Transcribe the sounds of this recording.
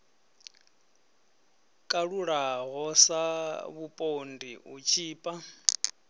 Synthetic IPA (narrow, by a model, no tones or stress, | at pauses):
kʼaɺuɺaɣɔsaβupʼondiut͡ʃʰiːpʼa